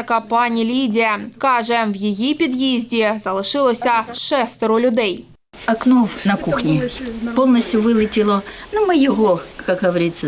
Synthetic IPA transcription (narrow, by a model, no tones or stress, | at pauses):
kɐpɑnʲilʲidʲiɐkɑʒɛwjijipʲid̪jizʲdʲizɐlˠɪʃɪlˠɔsʲɐʃɛst̪ɪɾʊlʲʊd̪ɛj | ɐknofnɐkuxnʲipolˠnəsʲtʲjʊʋɨlˠɪtʲɪlˠɔnʊmɨjɪɦokakɦɐʋɐɾʲit̪sːə